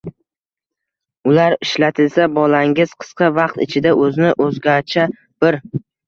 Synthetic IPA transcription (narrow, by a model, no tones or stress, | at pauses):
ʊlaɾɪʃlat̪ʰɪlsabɒlaŋɪz̥qʰɨ̥sqʰɑvɑq̚t̪ɪ̰t͡ʃʰɪd̪aʔɵzɪnɪʔɵzɡʲaɾt͡ʃʰa | b̥ɪɾ